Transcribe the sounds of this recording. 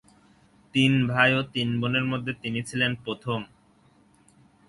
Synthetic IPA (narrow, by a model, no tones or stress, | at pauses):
t̪inbʱajot̪inboneɾmod̪ʱːet̪init͡ɕʰilenpɾot̪ʰom